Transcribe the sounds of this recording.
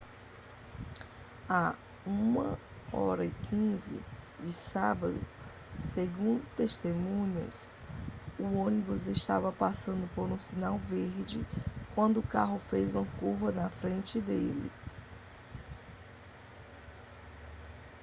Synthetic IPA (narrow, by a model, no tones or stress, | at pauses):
a | ũmɐ | ɔ̰ɾɐikʰĩzɪ̰d͡ʒɪsabɐd̪ʊ̰ | seɡũd̪ʊt̪eʃt̪emũɲɐ̰s | ʊõnibuzeʃt̪avɐpasɐ̃nd̪ʊpoɾũsinawveɾd͡ʒɪkwɐ̃nd̪ʊʊkaɦʊfezũmɐkuvɐnɐfɾẽnt͡ʃɪd̪elɪ̰